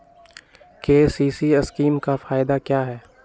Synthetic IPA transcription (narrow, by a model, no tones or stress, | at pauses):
keːsiːsiɐskiːmkafaːɪd̪akjaːɦɛː